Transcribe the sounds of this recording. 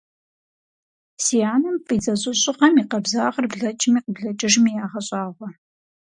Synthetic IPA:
sijaːnɨmpʼiːd͡zɐɕʼɨɕʼɪqɐmiːqɐbzaːʁərbɮɐt͡ʃʼɪmiːqəbɮɐt͡ʃʼɐʒmiːjaːʁɐɕʼaːʁʷɔ

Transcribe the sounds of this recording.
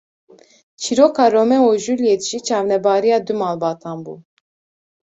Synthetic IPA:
t͡ʃʰiɾokʰɑɾomɛɔʒuljɛt̪ʒ̥it͡ʃʰɑːvnɛbaːɾijɑd̪umaːlbɑːt̪ʰɑmbṵ

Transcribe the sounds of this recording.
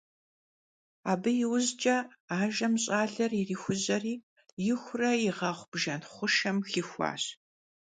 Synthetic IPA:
aːbɨjɪwʊzd͡ʒʼɐaːʒɐmɕʼaːɮɐririːxʷʊzɐriː | jɪxʷʊrɐjɪʁɐχʷb̥ʒɐnχʷʊʃɐmxiːxʷɑ̰ːɕ

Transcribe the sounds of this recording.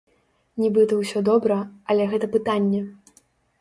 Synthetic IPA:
nʲibɨt̪ɐwsʲɔd̪ɔbɾɐɐlʲɛɣɛt̪ɐpɨt̪anʲːɛ

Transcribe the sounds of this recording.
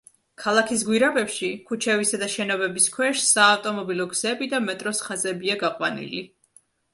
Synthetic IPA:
kʰalˠakʰis̬ɡwiɾabɛpʃikʰut͡ʃʰɛvisad̪aʃɛnɔbɛbiskʰwɛʃsaːft̪ʼɔmɔbilɔɡz̥ɛbid̪amɛt̪ʼɾɔsχazɛbiaɡaqʼwa̰nḭli

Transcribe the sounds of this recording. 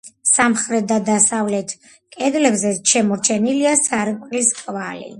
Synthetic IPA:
samχɾɛt̪̚ʰd̪ad̪asavlɛt̪ʰ | kʼɛd̪lɛbzɛʃɛmɔɾt͡ʃʰɛniliasaɾkʼliskʼvalḭ

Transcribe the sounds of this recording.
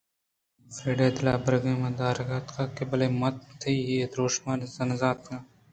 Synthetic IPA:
feːɖeːd̪ɪlaːbɐɾɡẽːmɐ̃ːd̪aːɾɡaːt̪kaːkebɐleːmɐt̪t̪ʰːɐieːd̪ɾoːʃmaːnzɐnzaːt̪kãː

